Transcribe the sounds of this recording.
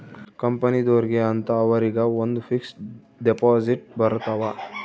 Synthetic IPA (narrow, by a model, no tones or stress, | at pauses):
kɐmpɐnid̪oːɾɡeɐnt̪ɐːʋɐɾiɡɐond̪ufʰiks | ɖepaːziʈ̚bɐɾt̪aːʋɐ